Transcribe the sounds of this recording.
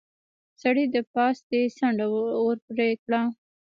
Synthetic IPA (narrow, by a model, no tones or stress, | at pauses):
saɽid̪əpɑsd̪esaɳɖaəɾpɾekɽa